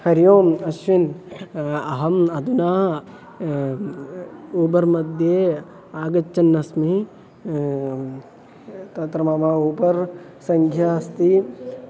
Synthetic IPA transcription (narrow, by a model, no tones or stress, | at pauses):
hɐɾjoːmɐʃʋin | ɐɦɐmɐd̪unaː | uːbɐɾmɐd̪ʱjeː | aːɡɐt͡ʃːɐnːɐsmi | t̪ɐt̪ɾɐmaːmaːuːpɐɾ | sɐŋɡʰʱjaːst̪i